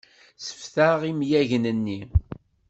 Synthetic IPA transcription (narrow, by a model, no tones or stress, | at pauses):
sə̥fθaʁimjæʝnənːi